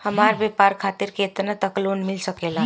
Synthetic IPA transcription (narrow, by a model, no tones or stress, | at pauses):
həmaɾbepaɾkʰaːt̪iɾket̪nat̪əklonmɪlsəkela